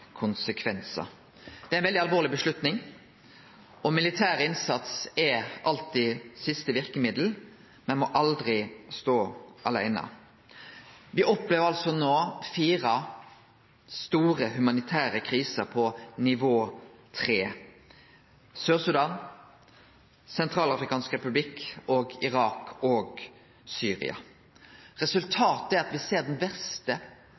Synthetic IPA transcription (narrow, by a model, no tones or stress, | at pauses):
kʰʊnsəkʰʋɛnsə̰ | d̪̥ɛæɪnʋɛld̪ɪɑlʋoːʁlɪbəʂlʉt̪nɪŋ | ɔmɪlɪt̪ʰæːʁɪnsɑt̪sɛɑlt̪ɪsɪst̪əʋɪʁkəmɪd̪l̩ | mɛnmɔʔɑld̪ʁɪst̪oːʔɑlæ̰ɪnə̰ | ʋɪʔɔpleːʋəʁɑlsɔnoːfiːʁɑ | st̪uːʁəhʉmɑnɪt̪ʰæːʁəkʰʁiːsəɾpʰɔnɪʋoːt̪ʰʁeː | søːʁsʉd̪ɑːn | sɛnt̪ʰʁɑːlɑfɾɪkɑːnskɾɛpʉblɪkoːɡɪʁɑːkɔːɡ | syːʁɪ̰ɑ̰ | ʁɛsʉlt̪ʰɑːt̪æɾɑt̪ʋɪseːʁɖ̪ɛnbɛʁst̪ə